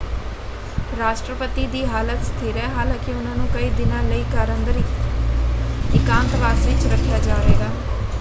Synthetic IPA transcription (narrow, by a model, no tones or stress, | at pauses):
ɾaːʃʈɾəpət̪iːd̪iːɦaːlət̪st̪ʰiːɾɛːɦaːlãːkɪʊnãːnũːkəiːd̪ɪnãːləiːkəɾənd̪əɾiː | ɪkãːnt̪ʋaːsʋɪt͡ʃɾəkʰːjaːd͡ʒaːɾeːɡaː